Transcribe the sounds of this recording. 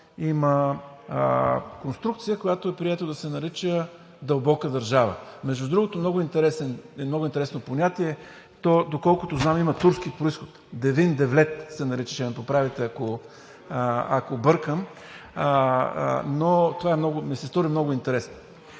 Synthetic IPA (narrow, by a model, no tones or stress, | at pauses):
imə | konst̪ɾukt̪sijəkojat̪oɛpɾiɛt̪od̪ɐsɛnɐɾit͡ʃə | d̪ɐlˠbɔkəd̪ɐɾʒavə̰mɛʒd̪ʊd̪ɾuɡot̪omnɔɡʊint̪ɛɾɛsɛnmnɔɡʊint̪ɛɾɛsnoponʲat̪iɛ | t̪ɔd̪okɔlˠkʊt̪oznamimɐt̪uɾsk̟ipɾoisxot̪d̪ɛvind̪ɛvlɛt̪sɛnɐɾit͡ʃə̥t͡ʃɛmɛpopɾavit̪ɛako | a̰kobɤɾkəm | not̪ovaɛmnɔɡʊmisɛst̪ɔɾimnɔɡʊint̪ɛɾɛsno